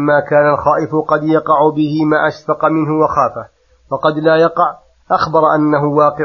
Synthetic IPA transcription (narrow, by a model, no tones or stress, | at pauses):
mːaːkaːnalxaːʔɪfʊqɑd̪jɑqɑʕʊbɪhɪmaːʔaʃfɑqɑmɪnhʊwaxaːfah | wɑqɑd̪laːjɑqɑʕ | ʔaxbɑɾˤʔanːaɦʊwɑːqɪ